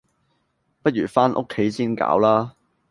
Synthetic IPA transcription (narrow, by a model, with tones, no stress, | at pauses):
pɐ˥t̚ɥyː˨˩faː˥nʔo̰˥kʰːe˨˥jsiː˥nka̰ː˨˥wlaː˥